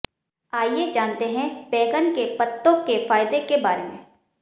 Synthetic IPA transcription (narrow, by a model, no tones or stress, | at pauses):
aːjed͡ʒaːnt̪eɦɛ̃pɛːkənkepət̪ːõkefaːɪd̪ekebaːɾemḛ̃ː